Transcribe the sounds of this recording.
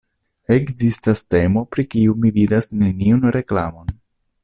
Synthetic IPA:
e̞kzistaste̞mo̞pɾikiumividasne̞niunɾe̞kla̰mo̞n

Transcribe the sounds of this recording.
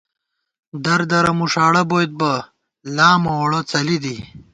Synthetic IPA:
d̪ɐɾd̪ɐɾɐmuʂaːɽɐboːjt̪̚bɐ | laːmɐwɐɽɐt͡sɐlid̪i

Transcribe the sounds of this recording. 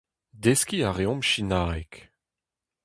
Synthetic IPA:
d̪eskiaʁeɔ̃mʃinaːek

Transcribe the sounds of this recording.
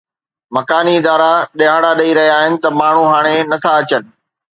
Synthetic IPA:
mɐkaːniɪd̪aːɾaɗɐɦaːɽaɗɐiɾɐɦijaːɦɪnɪ̆t̪ɐmaːɳ̤uɦaːɽ̃enɐt̪ʰaɐt͡ɕənɪ̆

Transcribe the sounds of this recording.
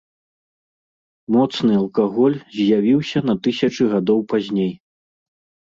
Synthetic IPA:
mɔt̪snɨɐlˠkaɣɔlʲzʲjavʲiwsʲɐnɐt̪ɨsʲɐt͡ʂɨɣad̪ɔwpazʲnʲej

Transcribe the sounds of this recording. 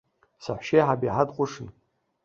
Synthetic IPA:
saħʷʃejħabiʕadqʷʼʊʂɨn

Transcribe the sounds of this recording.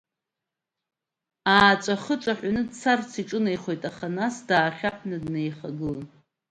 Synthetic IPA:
aːt͡ʃʷʼaχət͡ʃʷʼaħʷanɨdt͡sʰart͡sʰiʈ͡ʂʼɨnejχo̞jtʼaχanasdaːχʲapʰnɨdnejχaɡɨlan

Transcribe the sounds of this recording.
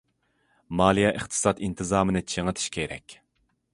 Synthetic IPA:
mɑːlˠijɛʔɨχt̪ʰɨ̥sɑt̪int̪ʰɨzɑːmɨnɨt͡ʃʰeŋət̪ʰɨ̥ʃkʲʰeɾɛ̰kʲ

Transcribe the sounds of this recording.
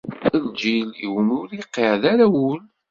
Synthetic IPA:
əld͡ʒilḭwənʊɾiqːeʕðaɾæwʊl

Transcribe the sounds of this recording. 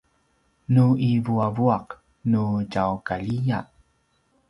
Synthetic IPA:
nuivuavuaq | nuɟawkaʎija

